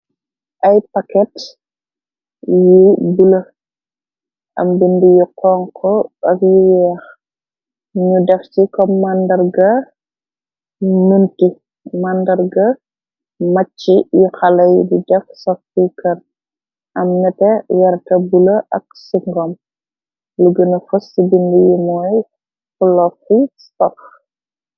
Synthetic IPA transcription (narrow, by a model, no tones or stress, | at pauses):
ʔɐjpɐkɛt | jubulɐ | ʔɐ̰mbindijuqɔːŋkʰɔɐkjuwɛːx | ɲudɛft͡ʃikɔmmːandɐrɡɐ | nunti | mandɐɾɡɐ | mɐt͡ʃːijuxɐlɐjdidɛfsɔktikɐn | ʔɐmnɐtɛjɐɾtɐbulɐʔɐk̚siŋɡɔm | luɡənɐfusːibindijumɔj | fulɔkːisɔx